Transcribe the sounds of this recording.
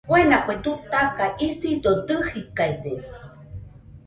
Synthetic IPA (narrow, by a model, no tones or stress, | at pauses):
pwenapwed̪ut̪akaʔisidod̪ɨhikaed̪e